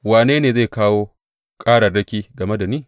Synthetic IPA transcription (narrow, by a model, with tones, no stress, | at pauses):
waː˨neː˦neː˨ze˦˨kaː˦woː˦ | kʼaː˦ɽɐ˨rɽɐ˦kʲiː˦ɡɐ˨me˦da˨niː˦˨